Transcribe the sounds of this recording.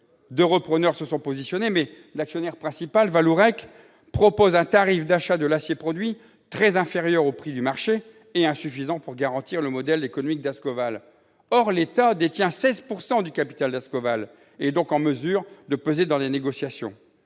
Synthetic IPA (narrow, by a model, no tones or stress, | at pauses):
d̪øʁəpχənœʁsəsɔ̃pozisjɔnemɛ | laksjɔnɛʁpχɛ̃sipalvaluʁɛk | pχɔpozɛ̃t̪aʁifd̪aʃad̪əlasjepχɔd̪ɥi | t̪χɛzɛ̃feʁjœʁopχid̪ymaʁʃeː | ɛ̃syfizɑ̃puʁɡaʁɑ̃t̪iʁləmɔd̪ɛlekɔnɔmik̚d̪askɔval | ɔʁlet̪ad̪et̪jɛ̃sɛzpuʁsɑ̃d̪ykapi̥t̪ald̪askɔval | ed̪ɔ̃kɑ̃məzyʁd̪əpøzed̪ɑ̃leneɡɔsjasjɔ̰̃